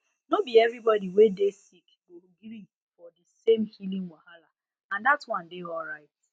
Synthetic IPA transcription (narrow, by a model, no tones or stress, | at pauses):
nobiɛvɾibɔdiwedesik | oɾuɡiɾi | fɔdɪsemhilĩŋwahala | ãndatwɔ̃n̩dɪɔlɾaɪt̚